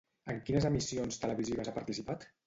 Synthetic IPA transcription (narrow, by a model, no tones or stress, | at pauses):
əŋkinəzəmisionst̪ələβiziβəzapaɾt̪isipat̪